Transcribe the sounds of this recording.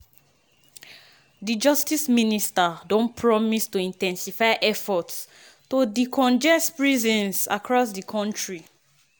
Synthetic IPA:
did͡ʒɔstisministadɔ̃npʰɹɔmistuĩntɛ̃nsifaɪʔɛfɔts | todikʰɔ̃nd͡ʒɛspɹizɔ̃nsa̰kɹɔsdikʰɔ̃ntʰɹi

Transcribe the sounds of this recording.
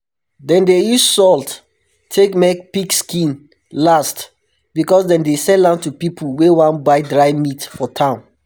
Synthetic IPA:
dɛ̃ndejussɔlt | tʰːekmɛk̚pikskĩn | last | bikɔsdɛ̃ndesɛlãntupipʰəl̩wewãnbaɪdɹaɪmitfɔtʰãʊ̃n

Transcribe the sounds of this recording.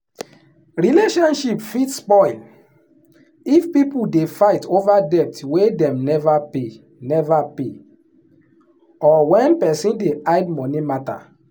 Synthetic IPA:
ɹileʃɔ̃nʃipfitspɔɪl | ifpipudefaɪtovadɛptwedɛ̃mnɛvape | nɛvape | ɔwɛ̃npɛsĩndeadmɔ̃nimata̰

